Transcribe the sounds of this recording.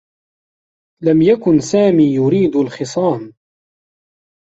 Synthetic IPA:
lamjakʊnsaːmiːjʊɾiːd̪alxɪsˤɑːm

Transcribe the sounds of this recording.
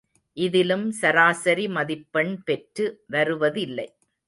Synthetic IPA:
ʔɪðɪlɯmsɐɾaːsɐɾimɐðɪpːɐɳpɛʈrɯʋɐɾɯʋɐðɪlːɐɪ

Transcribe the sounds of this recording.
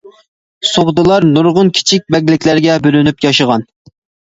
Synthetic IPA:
soʁd̪ɨlˠɑɾnuɾʁʊnkʲʰi̥t͡ʃʰik̚ʲbɛɡʲlɪkʲlæɾɪɡʲɛbølynypjɑʃəʁɑn

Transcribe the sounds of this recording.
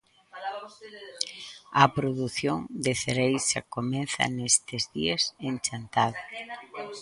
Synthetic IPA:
ɐpɾoðuθjoŋd̪eθeɾejsa̰komenθɐ̰nest̪ɪzðiaseŋt͡ʃant̪að

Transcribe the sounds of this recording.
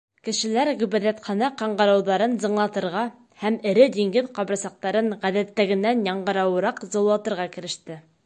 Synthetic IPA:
kɘ̆ʃɘ̆læɾʁɵ̆bæðæt̪χɑnɑqɑɴɢɤ̆ɾɑwðɑɾɤnzɤ̆ɴlˠɑt̪ɤ̆ɾʁɑ | hæmɘ̆ɾɘd̪iŋɡɘðqɑbɾɤsɑq̚t̪ɑɾɤɴʁæðæt̪ːæɡɘ̆nːænjɑɴɢɤ̆ɾɑwɤ̆ɾɑqzŏllːˠɑt̪ɤ̆ɾʁɑkɘ̆ɾɘ̆ʃt̪ɘ

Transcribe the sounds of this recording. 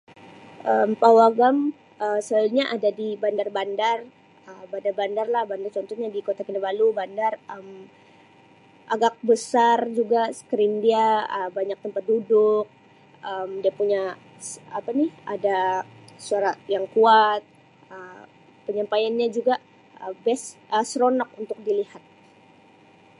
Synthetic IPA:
ʔəmpawaɡam | əsəlɲaʔadadibandarbandar | əbandarbandarlahbandart͡ʃɔnt̪ɔɲadikot̪akinabalubandarəm | ʔaɡak̚bəsard͡ʒuɡasə̥kəɾɪmdiaəbaɲak̚t̪əmpat̪̚dudʊk̚ | əmdiapuɲa | sapanɪhadasuaɾajaŋkuat̪̚ | ə | pəɲampajanɲad͡ʒuɡa | əbɛsʔəsɾonɔk̚unt̪ʊk̚dilihat̪̚

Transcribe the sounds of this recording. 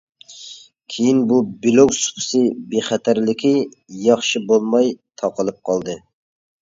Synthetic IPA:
kʲʰejinbubiloksu̥pʰɨ̥sɨbeχæt̪ʰæɾlɪkʲi | jɑχʃibolˠmɑjt̪ʰɑqəlˠɨp̚qʰɑlˠd̪ɨ

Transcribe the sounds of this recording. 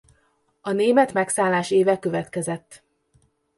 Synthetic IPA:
ɒneːmɛt̪mɛksaːlːaːʃeːvɛkø̞vɛt̪kɛzɛt̪ː

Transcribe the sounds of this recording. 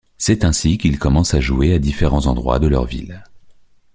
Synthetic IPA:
sɛt̪ɛ̃sikʲilkɔmɑ̃saʒuead̪ifeʁɑ̃zɑ̃d̪ʁwa̰d̪əlœ̰ʁvḭl

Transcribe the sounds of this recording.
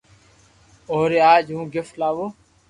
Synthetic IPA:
oːɾeːaːd͡ʒɦũːɡɪflaːʋoː

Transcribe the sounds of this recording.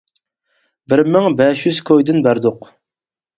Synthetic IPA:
bɪɾmɪŋbɛʃjyz̥kʰojd̪ɪnbæɾd̪ʊq

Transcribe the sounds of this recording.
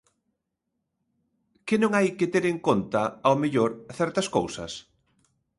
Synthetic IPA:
kɪnõŋajket̪eɾeŋkont̪ɐawmeʎoɾθɛɾt̪ɐskowsɐ̰s

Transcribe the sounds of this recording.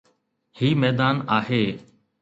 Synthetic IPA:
hiːmɛːd̪aːnaːɦeː

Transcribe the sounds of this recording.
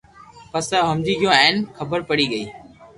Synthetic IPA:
pəsaːɦəmd͡ʑiːɡʱɪjõɛːnkʰəbəɾpəɽiːɡəiː

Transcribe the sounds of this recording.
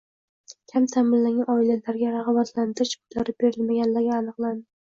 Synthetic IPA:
kʲʰamt̪ʰamɪllːaŋʲaɒɪlalaɾɡʲaɾaʁɑbat̪lant̪ɪɾɪʃbʊlaɾɪp̚be̞ɾɪlmaɡʲanlaɾɡʲaːnɨqlˠand̪ɪ

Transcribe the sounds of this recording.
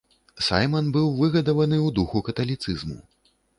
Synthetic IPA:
sa̰jmɐnbɨwvɨɣɐd̪ɐvɐnɨwd̪uxukɐt̪ɐlʲit̪sɨzmṵ

